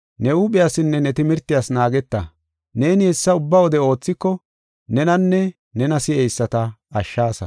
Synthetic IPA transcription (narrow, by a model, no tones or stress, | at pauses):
nɛuɓɪjaːsɪnːɛnɛt̪ɪmɪɾt̪ːɪjaːsnaːɡɛt̪ːɐ̰ | ne̞ːnhɛsːɐʊbːawɔd̪ɛo̞ːt͡sːɪkːɔ | nɛnɐnːɛ | nɛnɐsɪɛjsːɐt̪ɐɐʃːaːsɐ̰